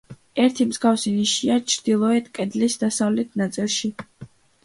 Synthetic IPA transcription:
ɛɾt̪ʰimzɡafsiniʃiat͡ʃʰɾd̪̥ilˠɔɛt̪kʼɛd̪lisd̪asavlɛt̪ʰnat̪sʼilˠʃi

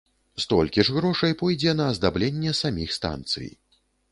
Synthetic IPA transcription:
st̪ɔ̰lʲkʲiʐɣɾɔʂɐjpɔjd͡zʲɛnɐːzd̪ablʲenʲːɛsamʲixst̪a̰nt̪sɨ̰j

